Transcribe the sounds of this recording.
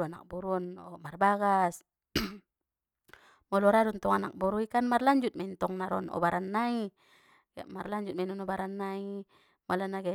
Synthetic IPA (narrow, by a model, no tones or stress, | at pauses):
uana̰k̚bɔɾuɔnɔmarbaɡas | mɔlɔɾaɾunt̪ɔŋanak̚bɔɾuikanmarlaɲd͡ʒut̪̚maint̪ɔŋnaɾɔnɔ̰baɾanːai | a̰marlaɲd͡ʒut̪̚mainɔnɔbaɾanːai | mɔlanaɡa